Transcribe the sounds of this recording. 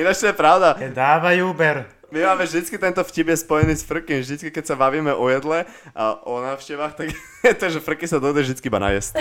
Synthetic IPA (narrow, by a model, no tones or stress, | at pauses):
inat͡ʃt̪ɔjɛpɾaʊd̪ad̪aːʋajuːbɛɾ | mimaːmɛvʒd̪it͡skit̪ɛnt̪ɔfcibjɛspɔjɛniːsfr̩kimvʒd̪it͡skikɛcsabaʋiːmɛʔɔjɛd̪lɛ | a̰ʔɔnaːʃcɛʋaːxt̪aɡ | ɛt̪ɔʒɛfr̩kisad̪ɔd̪ɛʒd̪it͡skiibana̰ɪɛsc